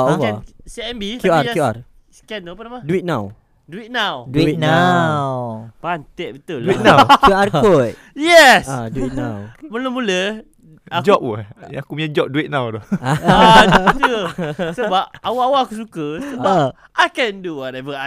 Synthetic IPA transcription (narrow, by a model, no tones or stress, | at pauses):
awaɛsiɛnbikjujuar | skɛnəlpənamaduwit̪̚nãw | duit̚nawduinawpant̪ɛʔ̚bit̪uldinakjuarkot | jɛsaduit̪̚nawməlomulə | ad͡ʒɔp̚wəjaakumiɲad͡ʒɔp̚duit̪̚nãwdɔa | t̪usəbap̚awaʔawaakus̬ukəsəba | ʔajkɛ̃nduwɔtɛvəa